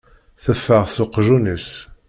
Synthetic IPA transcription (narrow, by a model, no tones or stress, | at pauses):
θəfːəʁθʊqːʒunəs